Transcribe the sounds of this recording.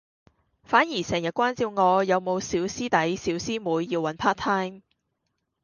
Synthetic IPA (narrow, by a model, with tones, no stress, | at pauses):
faː˨˥njiː˨˩sɛː˨˩ŋjɐ˨t̚kʷwaː˥nt͡siː˧wŋɔː˨˧jɐ˨˧wmo˨˧wsiː˨˥wsiː˥t̪ɐ˨˥jsiː˨˥wsiː˥muː˨˧jːiː˧wːɐ˨˧˥npʰaː˥t̪ʰaː˥jm